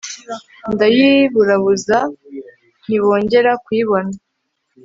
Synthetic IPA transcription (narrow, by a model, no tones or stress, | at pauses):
ndajiβuɾaβuza | n̥iβo̞ːɲɟe̞ɾakwiːβo̞na